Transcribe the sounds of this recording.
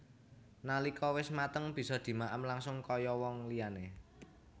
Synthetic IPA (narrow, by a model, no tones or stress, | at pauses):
nalikʰɔwɪsmat̪əŋb̥i̤sɔd̪̥i̤maʔəmlaŋsʊŋkɔjɔwɔŋliane